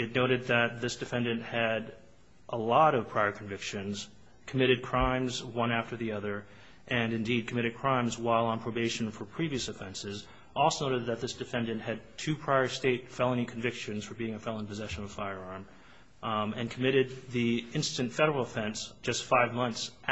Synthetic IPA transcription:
ɨtⁿnoʊɾɨd̪̚ðɨt̪̚ðɪsd̥ɨfɛ̃ndɨ̃nʔhɨɾ | ʔəlɔɾʌv̥pʰɹ̥aɪə˞kʰɱvɪkʃɨ̃nz̥ | kʰəmɪɾɨd̚kʰɹ̥ãɪ̃mzwʌ̃næftə˞ðiʌðə˞ | ʔɨ̃nɨ̃ndid̚kʰɨmɪɾɨd̚kʰɹ̥ãɪ̃mzwaɪlˠə̃npʰɹ̥oʊbeɪʃɨ̃n̩fə˞pʰɹ̥iviɨsɨfɛ̃nsɪz | ʔɔlˠsoʊnoʊɾɨd̪̚ðɨt̪̚ðɪsd̥ɨfɛ̃ndɨ̃nʔhɨd̚tʰʉpʰɹ̥aɪə˞steɪtfɛlˠɪ̃ŋ̃kʰɱvɪkʃɨ̃nz̥fə˞biɪ̃ŋɨfɛlˠɪ̃npʰɨzɛʃɨ̃nʌv̥faɪə˞ɑɹm | ɨ̃nkʰəmɪɾɨd̪̚ðiɪ̃nstɨ̃ntfɛɾə˞l̩ˠəfɛ̃nsd̥ʒ̥ʌstfaɪvmʌ̃nθs

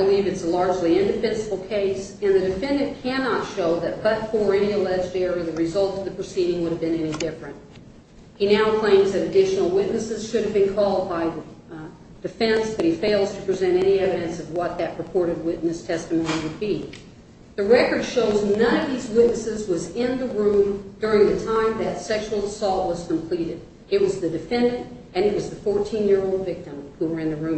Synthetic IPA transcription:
ɪbəlivɨtsəlɑɹd͡ʒliɪ̃ndɨfɛ̃nsəbl̩ˠkʰeɪs | ɨ̃nðɨdɨfɛ̃ndɨ̃nkʰænɑtʃoʊðɨt̚b̥ʌtfə˞ɛñiɨlɛd͡ʒdɛɹə˞ðɨɹɨzʌlˠtʌvðɨpʰɹ̥ɨsiɾɪ̃ŋwʊɾɨvbɨ̃nɛnidɪfɹɨ̃nt̚ | hinaʊkʰl̥ẽɪ̃mzðɨɾɨdɪʃn̩l̩ˠwɪʔⁿnɨsɨz̥ʃʊɾɨvbɨ̃nkʰɔlˠd̚baɪðɨ | d̥ɨfɛ̃nsðɨt̚hifeɪlˠz̥tʰəpʰɹ̥izɛ̃ɾ̃ɛɾ̃iɛvɨɾɨ̃nsʌvwʌt̪̚ðɨt̚ɹɨpʰɔɹɾɨd̚wɪʔⁿnɨstʰɛstɨmõʊ̃niwɨd̚bi | ðɨɹɛkə˞d̥ʃoʊznʌ̃ñʌvðizwɪtⁿnɨsɪzwʌzɪ̃nðəɹʉ̃mdʊɹɪ̃ŋðɨtʰãɪ̃mðɨtsɛkʃul̩ˠsɔlˠt̚wʌz̥kʰə̃m̩pʰl̥iɾɪɾ | ɨt̚wʌzðɨdɨfɛ̃ndɨ̃nt | ɨ̃nɨt̚wʌzðɨfɔɹtʰĩnjɪɹoʊlˠdvɪk̚tə̃mhuwə˞ɨ̃nðɨɹʉ̃

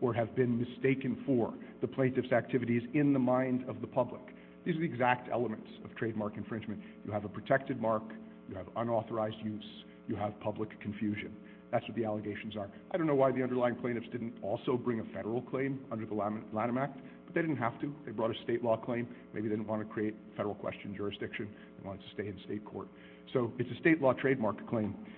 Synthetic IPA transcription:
ʔə˞ɨvbɨ̃nmɨsteɪkɨ̃nfə˞ðɨpʰl̥ẽɪ̃ntɨfsæk̚tʰɪvɨɾizɪ̃nðəmãɪ̃ndʌvðəpʰʌblə̰k | ðizə˞ðiɨɡzæk̚tʰɛ̰lˠəmɨ̃ntsʌv̥tʰɹ̥eɪd̚mɑɹkɨ̃nfɹɪ̃nd͡ʒmɨ̃njɨɨvəpʰɹ̥ɨtʰɛk̚tɨd̚mɑɹk | jɨɨvʌ̃nɔθə˞aɪzdjʉz | jɨəv̥pʰʌbləkʰːɨ̃ɱfjʉʒɨ̰̃n | ðætswʌt̪̚ðiælˠəɡeɪʃn̩zə˞aɪɾõnːoʊwaɪðiʌ̃ndə˞laɪɪ̃ŋpʰl̥ẽɪnɨfsd̥ɪdⁿn̩tɔlˠsoʊbɹɪ̃ŋɨfɛɾə˞l̩ˠkʰl̥ẽɪ̃mʌ̃ndə˞ðəllæ̃ɾ̃ə̃mæk̚t̚ | b̥ʌt̪̚ðeɪɾɪdⁿn̩t̚ɦæftɨðeɪbɹɔɾɨsteɪʔˡlɔkʰl̥ẽɪ̃mmeɪbidɪdⁿn̩ʔwɑ̃ntʰɨ̥kʰɹ̥ieɪt̚fɛɾə˞l̩ˠkʰwɛ̰st͡ʃɨ̃n̩d͡ʒʊɹɨsd̥ɪkʃɨ̃n | ðeɪwɑ̃ɾ̃ɨd̚tʰɨ̥steɪɨ̃nsteɪt̚kʰɔ̰ɹt̚ | soʊɨtsɨsteɪʔˡlɔtʰɹ̥eɪd̚mɑɹk̚kʰl̥ẽɪ̃m

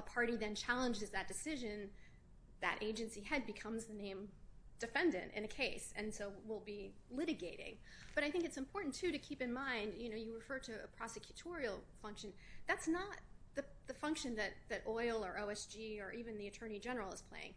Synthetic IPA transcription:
əpʰɑɹɾiðɨ̃nt͡ʃʰælˠə̃nd͡ʒɨzðɨt̚d̥ɨsɪʒɨ̃n | ðɨ̰ɾʔeɪd͡ʒɨ̃nsiɨd̚bɨkʰʌ̃mzðɨnẽɪ̃md̥ɨfɛ̃ndɨ̰̃ntɨ̰̃nɨkʰeɪsɨ̃nsoʊwɪlˠbilɪɾɨɡeɪɾɪ̰̃ŋ | b̥ʌɾaɪθɪ̃ŋkɨtsɨ̃mpʰɔɹʔn̩tʰʉɾɨkʰipɨ̃nmãɪ̃ndjɨñoʊjɨɹɨfɜ˞ɾɨə̰pʰɹ̥ɑsɨkʰj̥ɨtʰɔɹil̩ˠfʌ̃ŋkʃɨ̃nðætsnət̪̚ðɨðɨfʌ̃ŋkʃɨ̃nðɨt̪̚ðɨɾʔɔɪl̩ˠə˞ʔoʊɛsd͡ʒiə˞ʔivɨ̃nðiɨtʰɜ̃˞ñid͡ʒɛnə˞l̩ˠəz̥pʰl̥ḛɪɪ̃ŋ

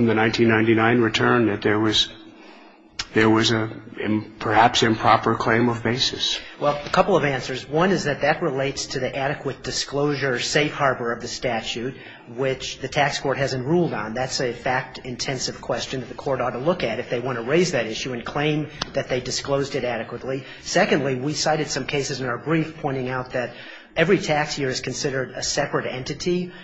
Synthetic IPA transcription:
mðɨnãɪ̃ntʰĩnːãɪ̃ninãɪ̃nɹɨtʰɜ̃˞nðɨt̪̚ðə˞wʌz | ðə˞wʌzɨ̃ | pʰə˞hæpsɨ̃mpʰɹ̥ɑpə˞kʰl̥ẽɪ̃mʌvbeɪsɨswɛlˠəkʰʌpl̩ˠʌvæ̃nsə˞zwʌ̃nɨzðɨt̪̚ðɨt̚ɹəleɪtstʰɨðiʔæɾɨkʰwət̚d̥ɨskloʊʒə˞seɪfhɑɹbə˞ʌvðɨstæt͡ʃʉt̚ | wɪt͡ʃðɨtʰækskʰɔɹt̚ɦæzɨ̃n̩tɹulˠdn̩ðætsɨfæk̚tɨ̃ntʰɛ̃nsɨv̥kʰw̥ɛst͡ʃɨnðɨt̪̚ðɨkʰɔɹɾɔɾəlʊkɨɾɨfðeɪwɑ̃ñtɨɹeɪzðɨɾɪʃʉɨ̃nkʰl̥ẽɪ̃mðɨt̪̚ðeɪdɨskloʊzdɨɾæɾɨkwətˡli | sɛkɨ̃ndˡliwisaɪɾɨd̥sʌ̃mkʰeɪsɨzɨ̃naʊə˞bɹifpʰɔ̃ɪ̃ɾ̃ɪ̃ŋaʊt̪̚ðɨɾ | ɛvɹitʰækshɪɹɨz̥kʰɨ̃n̩sɪɾə˞ɾɨsɛpɹɨɾɛ̰̃ntɨɾi

